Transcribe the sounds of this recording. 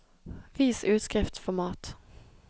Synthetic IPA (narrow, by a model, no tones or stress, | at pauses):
ʋiːsʉːt̪skɾɪft̪fɔmɑːt̪